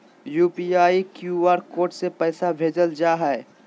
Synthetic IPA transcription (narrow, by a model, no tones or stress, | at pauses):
juːpiaːikjuːaːɾkoːʈsepɛːsabʱeːd͡ʒəld͡ʒaːɦɛ